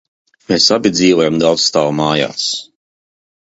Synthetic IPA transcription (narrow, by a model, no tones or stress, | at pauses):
mɛːsabid̪ziːwɛmd̪alˠst̪aːwmaːja̰ːs